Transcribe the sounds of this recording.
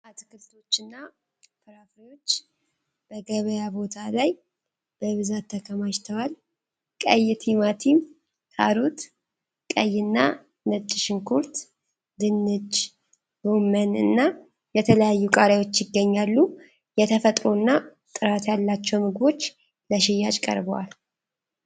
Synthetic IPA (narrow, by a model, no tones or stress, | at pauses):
ʔat̪kɨft̪ʰo̞t͡ʃːɨnːa | fɨɾafɾijo̞t͡ʃː | b̥əɡəβəjabo̞t̪ʰalaj | b̥əβɨzat̪ʰːəkʰəmat͡ʃt̪ʰəwal | kʼəjːt̪ʰimat̪ʰim | kʰa̰ɾot̪ | kʼəjːɪnːa | nət͡ʃʼːɪʃɪŋkʰuɾt̪ | d̪ɨnːɨd͡ʒ | womənɨ̰nːa | jɛt̪ʰələjajːukʼaɾawo̞t͡ʃːjɪɡːəɲːalːu | jɛt̪ʰəfət̪ʼɾuɨnːa | t̪ʼɨɾat̪jalːat͡ʃːɛwmɨɡbo̞t͡ʃː | ləʃɪjːat͡ʃʼkʼə̰ɾbəwa̰l